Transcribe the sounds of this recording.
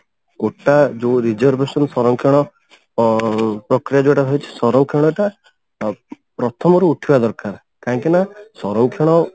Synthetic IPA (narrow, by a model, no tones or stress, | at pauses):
koʈad͡ʒoɾid͡ʒɔɾbesɔnsɔɾɔŋkʰeɽ̃ɔ | pɾɔkɾijad͡ʒoeʈat̪ʰajt͡ʃʰi̥sɔɾɔŋkʰeɽ̃ɔeʈa | pɾɔt̪ʰɔmɔɾuːʈʰibad̪ɔɾkaɾ | kaɦĩŋkinasɔɾɔŋkʰeɽ̃ɔ